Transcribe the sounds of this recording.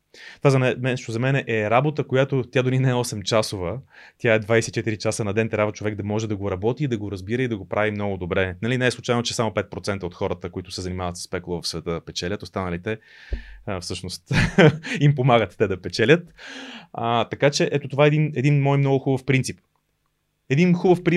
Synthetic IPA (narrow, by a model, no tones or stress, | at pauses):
t̪vazɐnɛmɛʃt̪ozɐmɛnɛʔɛɾabot̪əkojat̪ot̪jad̪oninɛɛɔsɛmt͡ʃasovət̪ʲjaɛd̪vajsɛit͡ʃɛt̪iɾit͡ʃasənɐd̪ɛnt̪ɾʲabvət͡ʃovɛɡ̚d̪ɐmɔʒɛd̪ɐɡoɾɐbɔt̪iːd̪ɐɡoɾɐzbiɾəid̪ɐɡopɾʔavimnɔɡʊd̪obɾɛnɐlinɛɛslˠʊt͡ʃajnot͡ʃɛsamʊpɛt̪̚pɾot̪sɛnt̪əot̪xɔɾət̪əkoit̪ʊsɛzɐnimavɐt̪sə̥spɛkulˠəvɐfsvɛt̪əd̪ɐpɛt͡ʃɛlʲət̪ost̪anəlit̪ɛ | fsɤʃnost̪ | impomaɡət̪ːɛd̪ɐpɛt͡ʃɛlʲət̪ | ət̪ɐkat͡ʃɛʔɛt̪ot̪ovaɛd̪inɛd̪inmɔjmnɔɡʊxubəfpɾint̪sip | ɛd̪inxubəfpɾi